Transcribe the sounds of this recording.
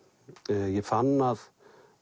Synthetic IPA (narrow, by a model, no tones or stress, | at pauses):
jɛfanːað